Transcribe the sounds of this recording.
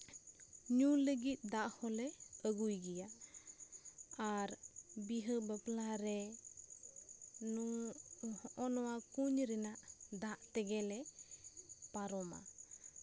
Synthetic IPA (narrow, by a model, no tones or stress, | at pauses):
ɲuləɡit̪̚ˀd̪aʔhɔlɛəɡujɡɛja | aɾbiɦəbəplaɾɛ | nuŋhɔʔɔnɔwakuɲɾɛnaʔd̪aʔt̪ɛɡɛlɛ | paɾɔma̰